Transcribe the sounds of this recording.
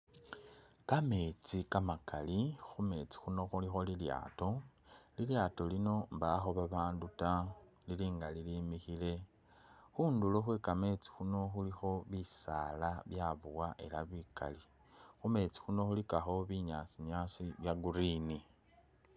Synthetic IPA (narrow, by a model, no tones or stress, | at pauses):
kame̞t͡sikamakalixume̞t͡si̥xuno̞xulixolilja̰ːto̞liljaːto̞lino̞mbaxoβaβaːnduta | liliːŋɡalilimixile̞ | xuːnduloxwekame̞t͡si̥xuno̞xulixo̞βisaːlaβjaβuwaʔe̞laβika̰li | xume̞t͡si̥xuno̞xulikaxo̞βiɲasiɲasiβjaɡuɾini